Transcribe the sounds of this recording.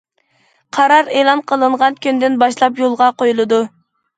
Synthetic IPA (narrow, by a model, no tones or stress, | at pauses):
qʰɑɾɑɾeːlˠɑnqʰəlˠɨɴʁɑnkʲynd̪ɪnbɑʃlˠɑpjolˠʁɑqojulˠɨd̪u